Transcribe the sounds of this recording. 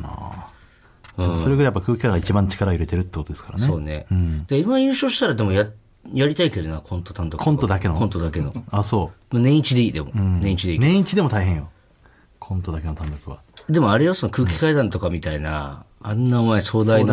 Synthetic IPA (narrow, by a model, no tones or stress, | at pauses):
na̰ | ɯ̟̃soɾeɡɯɾajapːakɯ̟ːkʲi̥kad̪aŋɡait͡ɕibãɲt͡ɕi̥kaɾaɯɾe̞t̪eɾɯ̟t̪ːekot̪od̪esɨ̥kaɾansoːne̞ɯ̃d̪̥aimajɯ̟ːɕo̞ːɕi̥t̪aɾad̪e̞moja | jaɾʲit̪aike̞d̪o̞nakʰõ̞nt̪o̞t̪ãnd̪okõnt̪od̪ake̞nokont̪o̞d̪ake̞no̞̰aso̞ːmanẽ̞ɰ̃it͡ɕid̪e̞iːd̪e̞mo̞̰ɯ̃nẽit͡ɕid̪e̞iːnẽ̞ɰ̃it͡ɕid̪e̞mo̞t̪aiɦẽ̞ɰ̃jo | kʰõ̞nt̪o̞d̪ake̞no̞t̪ãnd̪okɯ̟βa̰ | d̪e̞mo̞aɾe̞joso̞nokɯ̟ːkʲi̥kaid̪ãnt̪o̞kamʲit̪aina̰ːnːaɯmaeso̞ːd̪ain